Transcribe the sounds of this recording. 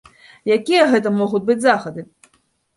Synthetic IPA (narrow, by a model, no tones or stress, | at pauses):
jakʲijɐɣɛt̪̬ɐmɔɣutʲbɨd͡zʲzaxɐd̪ɨ